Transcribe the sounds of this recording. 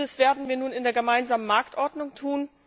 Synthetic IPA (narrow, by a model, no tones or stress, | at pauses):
əsv̥eːɐdn̩viːɐnuːnɪndeːɐɡəmaɪnzaːmənmaɐktʔɔɐdnʊŋtʰuːn